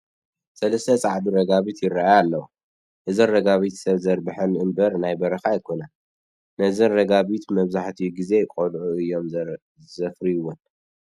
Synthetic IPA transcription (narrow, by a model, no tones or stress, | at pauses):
sɐlɐst̪ʰɐt͡sʼaʕdiɾɐɡaβit̪jɪrːaʔajalːɐwu | ʔɨzɨnrɐɡaβit̪sɐβzɐɾbɨħɐnʔɨmbɐɾnajbɐɾɐxajɪkʰo̞na | nɐzɨnɾɐɡaβit̪mɐβzaħt̪ʰiɡize̞kʼolʕuɨjːo̞m | zɐfɾijɨwːon